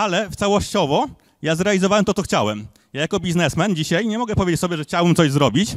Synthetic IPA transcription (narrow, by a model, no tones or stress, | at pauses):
alɛft̪sawɔɕt͡ɕɔvɔ | jazɾɛalʲizɔvawɛmt̪ɔt̪ɔxt͡ɕawɛm | jajakɔbʲiznɛsmɛnd͡ʑiɕajɲɛmɔɡɛpɔvʲed͡ʑet͡ɕsɔbʲjɛʐɛxt͡ɕawɛmt̪sɔʑzɾɔbʲit͡ɕ